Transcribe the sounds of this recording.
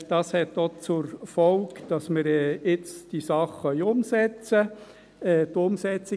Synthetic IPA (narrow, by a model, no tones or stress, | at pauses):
d̥ɑshɛtːot͡sʊɾfɔlkd̥ɑsmɪɾɛɪt͡sd̥isɑχːœʏʊmsɛt͡sə | ɛːtʊmsɛt͡sɪ